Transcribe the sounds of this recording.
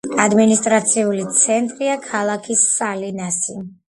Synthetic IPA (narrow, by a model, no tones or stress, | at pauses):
ad̪minist̪ʼɾat̪sʰiulit̪sʰɛnt̪ʼɾiakʰalˠakʰisːalinasi